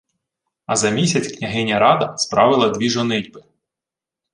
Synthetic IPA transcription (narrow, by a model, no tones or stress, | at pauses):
ɐzɐmʲisʲɐt͡sʲknʲɐɦɪnʲːɐɾɑd̪ɐspɾɑʋɪlˠɐd̪ʲʋʲiʒɔnɪdʲbɪ